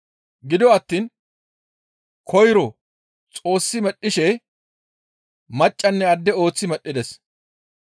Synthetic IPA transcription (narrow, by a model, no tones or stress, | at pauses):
ɡɪd̪ɪɔɐt̪ːiːn | kʰɔjɾɔ | t͡sʼo̞ːsːɪmɛɗːɪʃɛ | mɐt͡ʃʼːɐnːɛɐd̪ːɛo̞ːt͡sːɪmɛɗːɪd̪ɛs